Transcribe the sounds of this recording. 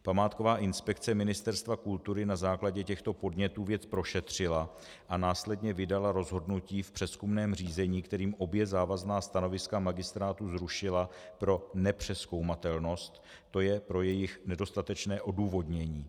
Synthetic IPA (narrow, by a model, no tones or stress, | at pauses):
pamaːt̪ko̞vaːʔɪnspɛkt͡sɛmɪnɪst̪ɛɾst̪vakult̪uɾɪnazaːklaɟɛcɛxt̪o̞po̞dɲɛt̪uːvjɛt͡spɾo̞ʃɛt̪r̝̥ɪla | ʔanaːslɛdɲɛvɪdalaɾo̞zɦo̞dnuciːfpr̥ɛskumnɛːmr̝iːzɛɲiːkt̪ɛɾiːmʔo̞bjɛzaːvaznaːst̪ano̞vɪskamaɡɪst̪ɾaːt̪uzɾuʃɪlapɾo̞nɛpr̝̥ɛsko̞wmat̪ɛlno̞st̪ | t̪ːo̞jɛpɾo̞jɛjɪxnɛdo̞st̪at̪ɛt͡ʃnɛːʔo̞duːvo̞dɲɛɲiː